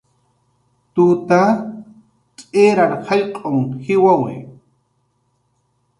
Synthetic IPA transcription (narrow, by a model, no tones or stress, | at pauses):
t̪ut̪a | t͡ʃʼeːɾaɾhɑjqʼoŋhɪwawḛ